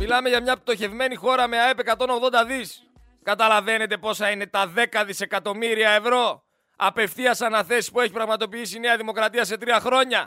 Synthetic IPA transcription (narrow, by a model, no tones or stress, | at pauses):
milɐme̞ʝɐmɲɐp̚t̪o̞çe̞vme̞nixo̞ɾɐme̞ɐepe̞kɐt̪o̞noɣðond̪ɐðis | kɐt̪ɐlɐve̞ne̞t̪e̞po̞sɐine̞t̪ɐðe̞kɐðise̞kɐt̪o̞miɾiɐevɾo̞ | ɐpe̞fθiɐsɐnɐθe̞si̥spue̞çipɾɐɣmɐt̪o̞piisine̞ɐðimo̞kɾɐt̪iɐse̞t̪ɾiɐxɾo̞ɲɐ